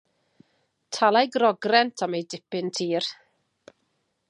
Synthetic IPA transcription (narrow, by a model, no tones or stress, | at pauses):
tʰalˠajɡrɔɡrɛntʰamejdɪpɪntʰiːr